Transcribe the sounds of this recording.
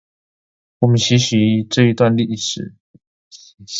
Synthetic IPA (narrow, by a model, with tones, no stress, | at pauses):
wɔ˨˩mə˨˦ɕi˧˥ɕi˧˥˧ʈ͡ʂɤ˥˧i˧t̪wa˥˧nli˥˩ʂɻ̩˨˩˦